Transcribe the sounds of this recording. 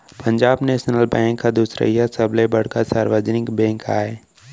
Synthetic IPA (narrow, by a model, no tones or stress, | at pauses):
pə̃ɲd͡ʒaːbneːʃnəlbɛ̃ːŋkːad̪uːsɾḛjasəblebɐɽ̤kasaːɾʋəd͡ʒnɪkbɛ̃ːŋka̰ːe